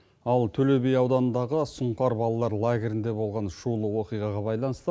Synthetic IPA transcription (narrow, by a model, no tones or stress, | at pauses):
ɑlˠt̪ʰɵle̞be̞jɑwd̪ɑnənd̪ɑʁəsʊɴqɑɾbɑlˠɑlˠɑɾlˠaɡʲe̞ɾɪnd̪e̞bo̞lˠʁɑnʃulˠəwo̞qijʁɑʁɑbɑjlˠɑnəst̪ə